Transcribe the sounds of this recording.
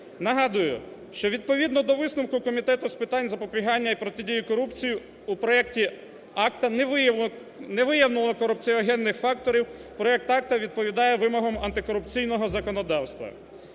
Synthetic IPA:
nɐɦɑd̪ʊjʊ̰ʃt͡ʃɔʋʲid̪pɔʋʲid̪nɔd̪ɔʋɪsnʊmkʊkɔmʲit̪ɛt̪ʊspɪt̪ɑnʲzɐpɔpʲiɦɑnʲːɐipɾɔt̪ɪdʲijʊkɔɾupt͡sʲiji | upɾɔɛktʲi | ɑkt̪ɐn | nɛʋɪjɐwnɪlˠɔkɔɾupt͡sʲijɐɔɦɛnːɪxfɑk̚t̪ɔɾʲiwpɾɔɛk̚t̪ɑk̚t̪ɐʋʲid̪̚pɔʋʲid̪ɑjɛʋɪmɔɦɔmɐnt̪ɪkɔɾʊpt͡sʲijnɔɦɔzɐkɔnɔd̪ɑwst̪ʋɐ̰

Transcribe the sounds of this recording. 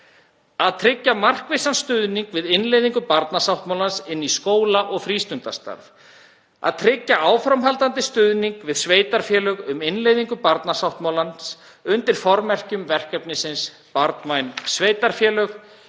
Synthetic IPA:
aðt̪ʰɾɪcːamar̥kvɪjsanst̪ʏðniŋkvɪðɪnlejðiŋkʏpaɾt̪nasawht̪mawlansɪnːiskoːwlaʔɔɣfɾiːst̪ʏnt̪ast̪a̰ɾv | a̰ðt̪ʰɾɪcːaʔaːwfɾamɦalt̪ant̪ɪst̪ʏðniŋkvɪðsveːjt̪aɾ̥fjɛːlœɣʏmɪnlejðiŋkʏpaɾt̪nasawht̪mawlans | ʏnt̪ɪɾ̥fɔɾmɛr̥cʏmvɛr̥kɛpnɪsɪns | paɾt̪majnsveːjt̪aɾ̥fjɛːlœx

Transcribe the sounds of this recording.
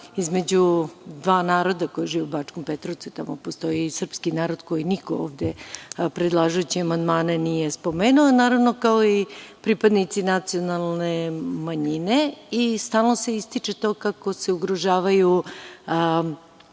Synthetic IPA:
izme̞d͡ʑud̪ʋaːnaːɾo̞d̪ako̞jiʒiːʋeubaːt͡ʃkompet̪ɾoʋt̪suit̪amopost̪o̞isr̩pskinaːɾo̞d̪ko̞jinikooːʋd̪epɾe̞d̪lˠaːʒujut͡ɕiamand̪maːnenije̞spo̞meːnuonaːɾaʋno̞kao̞ipɾipad̪nit̪sinat̪sio̞nalˠnemaɲine̞ist̪aːlˠno̞se̞ist̪it͡ʂe̞t̪o̞ːkako̞se̞uɡɾoʒaːʋaju

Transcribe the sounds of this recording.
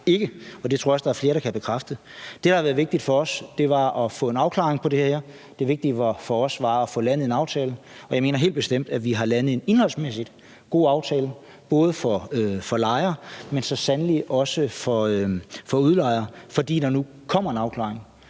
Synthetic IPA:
e̝ɡ̥əɒ̽d̥e̝t͡sʰoɐsd̥ɑ̈æɐfle̝ːɐɾ̥ɑ̈kʰæb̥e̝kʰʁafd̥ə | d̥e̥ɑhɑʋæɐð̩ˠʋeɡ̚d̥id̥fɒ̽ɒ̽sd̥e̝ʋɑ̈ɒ̽fɔ̰̽ːe̝nɑ̈ʊkʰlɑ̰̈ːeŋpʰɒ̽d̥e̝hɐhæɐ̰ | d̥e̝ʋe̝ɡ̥̚d̥iʋɑ̈fɒ̽ɒsʋɑ̈ɒfɔ̰lænð̞̩ˠe̝nɑ̈ʊt͡sʰɛːlə | ɒ̽jɑɪme̝ːnɐɦe̝̰ːld̚b̥e̝sd̥em̰d̥æʋiɦɑ̈lænð̩ˠe̝ne̝nhɒ̽lsmesid̥ | ɡ̥o̝̰ːɑ̈ʊt͡sʰɛːlə | b̥ɔ̽ːð̞ˠəfɒøfɒ̽lɑ̈ɪɐːmensɒ̽sænəliʔɒ̽səfɒ̽øfɒ̽uð̞ˠlɑ̈ɪɐːfɒ̽d̥ḭːd̥ɑ̈nu | kʰɒ̽m̰ɐe̝nɑ̈ʊkʰlɑ̰̈ːeŋ

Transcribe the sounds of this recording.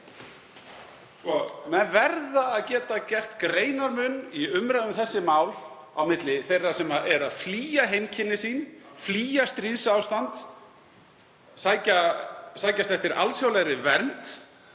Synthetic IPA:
skɔmɛnvɛɾðaːðcɛːt̪acɛr̥t̪kɾeːjnaɾmʏniʏmɾaðʏmθɛsːɪmaːwl | awmɪt̪lɪθejrːasɛmaʔɛɾaðfliːjaɦejmcʰɪnːɪsiːnfliːjast̪ɾiðsawst̪ant̪ | saːjcasaːjcast̪ɛft̪ɪɾʔa̰lsjaːwlɛɾɪvɛɾnt̪

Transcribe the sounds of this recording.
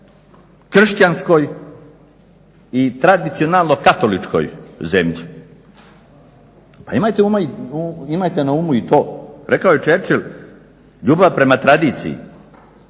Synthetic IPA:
kr̩ʃt͡ɕansko̞j | it̪ɾad̪it̪sio̞nalˠno̞kat̪o̞lit͡ʃko̰jzemʎi | paimaːjt̪eumaiuimaːjt̪e̞naumuit̪o̞ːɾe̞kaoje̞t͡ʃeɾt͡ʃilʲ | ʎuːbaʋpɾe̞mat̪ɾad̪iːt̪sḭjḭ

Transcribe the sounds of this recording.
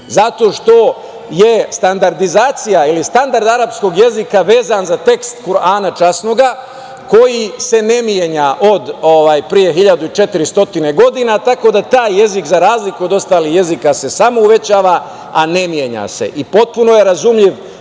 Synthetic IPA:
zat̪o̞ʃt̪o̞ | je̞st̪and̪aɾd̪izaːt̪sijailist̪and̪aɾd̪aɾapsko̞ɡje̞zikaʋe̞ːzanzat̪e̞kst̪kuɾaːnat͡ʃasno̞ɡa | ko̞jise̞ne̞mjeɲaʔo̞d̪oʋaːjpɾije̞ɦiʎad̪uit͡ʃet̪iɾist̪o̞t̪ine̞ɡo̞d̪inat̪ako̞d̪at̪aːjːe̞zikzaɾaːzlikuod̪o̞st̪aːlihje̞zikase̞samo̞uʋe̞t͡ɕaːʋa | ane̞mje̞ɲa̰se̞̰ʔipo̞t̪̚puno̞je̞ɾazumʎiʋ

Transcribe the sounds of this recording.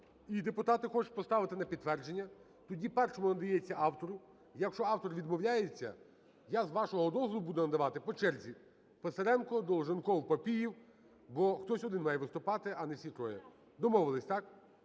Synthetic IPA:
id̪epʊt̪ɑt̪ɪxɔt͡ʃʊ̥pɔst̪ɑʋɪt̪ɪnɐpʲid̪̚t̪ːʋɛrd͡ʒenʲːɐ | t̪ɔdʲipɛrʃɔmʊnɐd̪ɐjɛt͡sʲːɐʔɑwt̪ɔɾʊ | jɐkʃt͡ʃɔɑwt̪ɔrʋʲid̪mɔwlʲajet͡sʲːɐ̰ | jazʋɑʃɔɦɔd̪ɔzlˠʊbud̪ɛnɐd̪ɐʋɑt̪ɪpɔt͡ʃɛrzʲi | peseɾɛnkɔd̪ɔlˠʒɐnkɔwpɐpʲijiw | bɔxt̪ɔsʲɔd̪ɪnmɑjɛʋɪst̪ʊpɑt̪ɪɐnɛfsʲit̪ɾɔjɛ | d̪ɔmɔʋɪlˠɪsʲt̪ɑk

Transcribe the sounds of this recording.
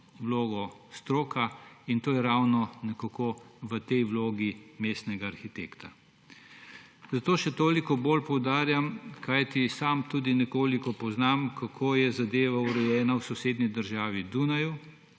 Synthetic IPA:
wloːɡɔst̪ɾoːkʰaint̪oːjɛɾawnɔnɛkakoʋət̪ɛjwloːɡimeːst̪nɛɡaːɾxit̪ḛːkt̪a | zat̪oːʃɛt̪oːlikɔboːlpɔwd̪aːɾjamkʰajt̪isamt̪uːd̪inɛkoːlikɔpɔznamkakʰoːjɛzad̪eːʋauɾɛjɛːnawsɔseːd̪nid̪əɾʒaːʋid̪unaju

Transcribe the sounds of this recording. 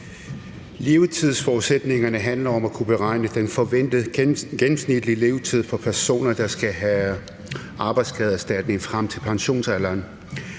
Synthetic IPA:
le̝ːʊt͡sʰið̰ˠsfɒuðˠsed̥ne̝ŋɐnəɦænlɐɒ̽mækʰub̥eʁɑ̈ɪ̰nəd̥enfɒʋen̰d̥əɡ̥enm̩snid̥lile̝ːʊt͡sʰið̰ˠfɒ̽pʰæɐso̝̰ːnɐd̥ɑ̈sɡ̥æɦæ | ʔɑ̈ːb̥ɑ̈ɪd̥skʰɛðˠæsd̥æd̥ne̝ŋfʁam̰t͡sʰe̝lpʰɑ̈ŋɕo̝̰ːnsælɐːn

